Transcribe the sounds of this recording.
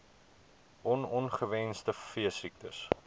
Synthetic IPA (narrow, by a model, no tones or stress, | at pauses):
ʔɔnɔnχəvɛnstəfiəsik̚tə̰s